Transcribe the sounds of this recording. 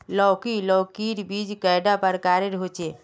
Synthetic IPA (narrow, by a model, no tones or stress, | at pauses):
lɔkilɔːkiːɾbid͡ʒkaɪɖapəɾkaːɾeɾɦot͡ʃe